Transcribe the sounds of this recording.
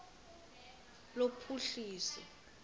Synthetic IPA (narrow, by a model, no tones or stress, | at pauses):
lopʰuɬiːsɛ